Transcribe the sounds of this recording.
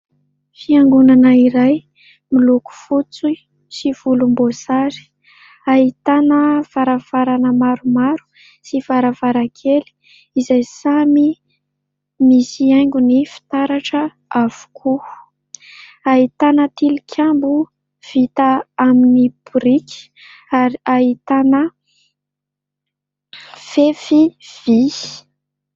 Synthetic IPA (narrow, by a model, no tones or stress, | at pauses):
fiaŋɡunanəiɾaj | miluku̥fut͡su | siv̥ulumbosaɾi̥ | ait̪anəv̥aɾav̥aɾanəmaɾumaɾu̥ | sivaɾavaɾakʰeli̥ | izajsami | misiajŋɡunifi̥t̪aɾaʈ͡ʂə | av̥u̥kʰu | ait̪anət̪ilikʲʰambu | v̥it̪aaminipuɾikʲi̥ | aɾiaɦit̪anə | fefiv̥i